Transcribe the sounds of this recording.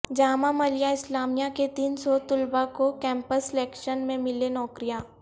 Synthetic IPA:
d͡ʒaːmãmɐlijaɪslaːmijaket̪iːnsɔt̪ʊlbakokɛ̃ːmpəsleːkʃənmẽmɪlenɔːkɾijaː

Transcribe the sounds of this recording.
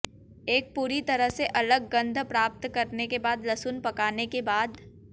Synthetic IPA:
eːk̚puːɾit̪ɐɾəɦseʔɐləɡːɐ̃nd̪ʱpɾaːp̚t̪kɐɾnekebaːd̪lɐsʊnpɐkaːnekebaːd̪

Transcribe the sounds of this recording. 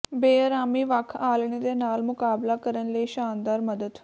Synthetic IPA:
beːɾaːmiːʋakʰaːlɳ̃eːd̪eːnaːlmʊkaːblaːkəɾənləiːʃaːnd̪aːɾməd̪əd̪

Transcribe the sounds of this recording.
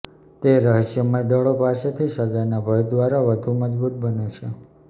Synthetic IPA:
t̪eɾəɦəʃjəməjd̪əɭopaset̪ʰiʃəɡajnabʱəjd̪ʋaɾaʋəd̪ʱuməd͡ʒbut̪̚bənet͡ʃʰe

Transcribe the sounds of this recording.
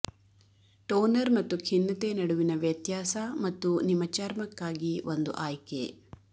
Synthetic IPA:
ʈoːnɐɾmɐt̪ːukʰinːɐt̪enɐɽuʋinɐʋjɐt̪jaːsɐmɐt̪ːunimɐt͡ʃaːɾmɐkːaːɡiʋond̪ṵʔaːjke

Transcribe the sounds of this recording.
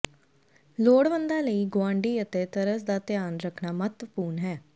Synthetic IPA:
loːɽʋənd̪aːləiːɡʊwãːɳɖiːət̪eːt̪əɾəsd̪aːt̪ɪjaːnɾəkʰnaːmət̪ʋəpuːɾnɦɛː

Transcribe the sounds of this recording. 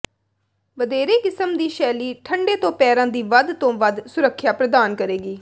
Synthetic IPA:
ʋəd̪eːɾeːkɪsəmd̪iːʃɛːliːʈʰəɳɖeːt̪õːpɛːɾãːd̪iːʋəd̪t̪õːʋəd̪sʊɾəkʰːjaːpɾəd̪aːnkəɾeːɡiː

